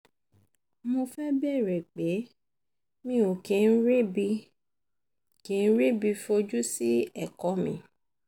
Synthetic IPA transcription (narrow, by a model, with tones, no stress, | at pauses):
mo˧fɛ˦be˦˨ɾɛ˨k͡pe˨˦ | mĩ˦o˨ke˨n̩˦ɾe˦bi˧ | ke˨˦n̩˦ɾe˦bi˧fo˧d͡ʒu˦si˦ɛ˦˨kɔ˨˦mĩ˧˦